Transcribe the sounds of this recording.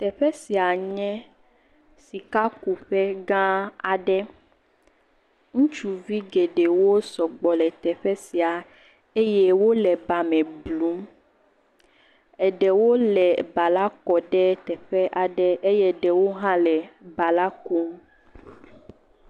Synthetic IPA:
t̪ɛ˨ɸɛ˦si˨a˨ɲɛ̃˦ | si˨ka˦ku˨ɸɛ˦ɡã˦a˨ɖɛ˦ | ŋũ˦t͡ʃu˨vi˦ɡe˨ɖe˨wo˦sɔ˨ɡ͡bɔ˨lɛ˨t̪ɛ˨ɸɛ˦si˨a˨ | e˦jɛ˦wo˦lɛ˨ba˨mɛ̃˨blu˨˦m | ɛ˨ɖɛ˨wo˦lɛ˨ba˨la˦kɔ˨ɖɛ˦t̪ɛ˨ɸɛ˦ʔa˨ɖɛ˦ʔe˦jɛ˦ɖɛ˨wo˦ɦã˦lɛ˨ba˨la˦ku˦m

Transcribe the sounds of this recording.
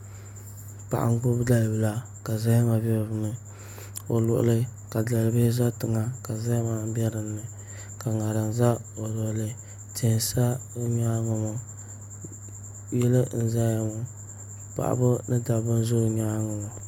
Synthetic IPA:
pa̰˨ʔa̰˨ŋ˦ɡʊ˦bda˦lbɨ˨la˨ | ka˨za˦hma˨bɛ˦˨vɨ˦nɨ˦ | o˨lʊ̰˨ʔlɨ˦ka˨da˨lbɪ˦za˦tɨ˨ŋa˨ka˨za˦hma˨m˦bɛ˦ɾɨ˨nːɨ˨ | ka˨ŋa˨ɾa˨nza˦o˨lɔ˨lɨ˦ | tɪ˨hsa˦ɲaː˦ŋɔ˨mɔ˨ | jɛ˦lɨ˦n̩˨za˦ja˨mo˨ | pa̰˨ʔa̰˨bɨ˦nɨ˦da˨bɨ˦n˦zo˦˨ɲa˦ŋɔ˨mɔ˨

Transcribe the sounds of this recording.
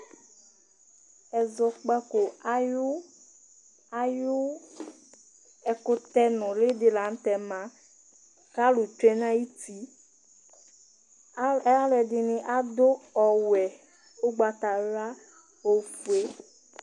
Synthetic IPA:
ɛ˨zɔ˨k͡pa˦ko˨a˦jʊ˦ | a˦jʊ˦ | ɛ˨kʊ˦t̪ɛ˦nʊ̃˨le˦dɪ˨la˨n̩˦t̪ɛ˨mã˦ | ka˦lu˨t͡ʃɛ˦nã˦ji˦t̪i˦ | a˦lɛ˨dɪ˨nɪ̃˨ʔa˦d̪o˦ɔ˨wɛ˨ | o˦ɡ͡ba˨t̪a˨ɾa˦ | o˨fu˨e˦

